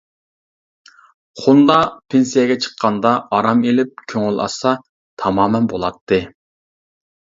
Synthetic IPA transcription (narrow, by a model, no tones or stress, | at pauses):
χund̪ɑpʰensijɛɡʲɛt͡ʃʰə̥qʰːɑnd̪ɑɑɾɑmelɪp̚kʲʰøŋylɑ̰sɑ | t̪ʰɑmɑːmɛnbolˠɑt̪ʰːɨ